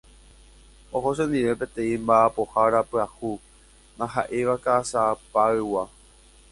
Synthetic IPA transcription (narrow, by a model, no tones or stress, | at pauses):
oɦos̬ẽnd̪iʋe̞pẽ̞t̪ẽ̞ĩmbaːpo̞haɾapɨahu | nãɦaʔeʋakaːsapaɨwa